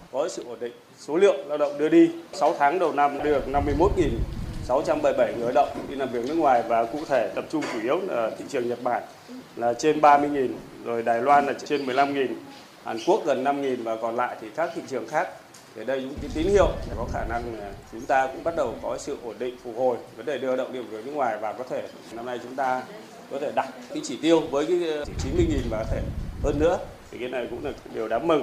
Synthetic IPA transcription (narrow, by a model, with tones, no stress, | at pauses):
kɔ˨˦sɨ̰˧˨ʔo˧˩nɗḭ̈˧˨ŋ̟so˨˦lḭ˧˨əwlaː˧wɗə̰˧˨wŋ͡mɗɨ˧əɗi˧sa˨˦wt̪ʰaː˨˦ŋɗə˨˩wna˧mɗɨ˨˩ək̚na˧mːɨ˧əjmo˦˥t̚ŋi˨˩nsa˨˦wt͡ɕa˧mɓə˧˩jɓə˧˩jŋɨ˨˩əjɗə̰˧˨wŋ͡mɗi˧laː˨˩mvi˨˩ək̚n˦˥ək̚ŋwaː˨˩jvaː˨˩kṵ˧˨t̪ʰe˧˩t̪ə˨˩p̚t͡ɕʊ˧ŋ͡mt͡ɕu˧˩ʔi˨˦əwaː˨˩t̪ʰḭ˧˨t͡ɕɨ˨˩əŋɲə˨˩t̚ɓaː˧˩n | laː˨˩t͡ɕe˧nɓaː˧mɨ˧əjŋi˨˩nzo˨˩jɗaː˨˩jlwaː˧nlaː˨˩˧t͡ɕe˧nmɨ˨˩əjla˧mŋi˨˩n | ha̰ː˨˩nku˦˥ək̚ɣə˨˩nːa˧mŋi˨˩nvaː˨˩kɔ˨˩nla̰ː˧˨jt̪ʰi˨˩kaː˦˥k̚t̪ʰḭ˧˨t͡ɕɨ˨˩əŋxaː˦˥k̚ | t̪ʰi˨˩ɗə˧jkʊ̰˧˥ŋ͡mki˨˦t̪i˨˦nhḭ˧˨əwʰkɔ˨˦xaː˧˩na˧ŋa˨˩t͡ɕʊ˨˦ŋ͡mt̪aː˧kʊ̰˧˥ŋ͡mɓa˦˥t̚ɗə˨˩wkɔ˨˦sɨ̰˧˨ʔo˧˩nɗḭ̈˧˨ŋ̟fʊ˨˩k̚ho˨˩jvəː˨˦nɗe˨˩ɗɨ˧ə˧ɗə̰˧˨wŋ͡mɗi˨˩əwzo˨˩jnɨ̰˦˧˥kŋwaː˨˩jvaː˨˩kɔ˨˦t̪ʰe˧˩ | na˧mna˧jt͡ɕʊ˨˦ŋ͡mt̪aː˧ | kɔ˨˦t̪ʰe˧˩ɗa˨˩t̚kaː˨˦t͡ɕi˧˩t̪i˧əwvəː˨˦jka˨˦˧t͡ɕi˨˦nmɨ˧əjŋi˨˩nvaː˨˩kt̪ʰe˧˩həː˧nːɨ̰˧˥ət̪ʰi˨˩kaː˨˦na˨˩jkʊ̰˧˥ŋ͡mlaː˨˩ɗe˨˩əwɗaː˨˦mmə˨˧˩ŋ